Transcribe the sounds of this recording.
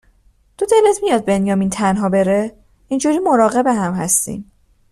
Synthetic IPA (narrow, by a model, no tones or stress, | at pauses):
d̪̥od̪elet̪ʰmijɒːd̪̚be̞njɒːmiːnt̪ʰænɦɒːbe̞ɾe | ind͡ʒuːɾiːmo̞ɾɒːɣe̞be̞ɦæmhæst̪ḭːm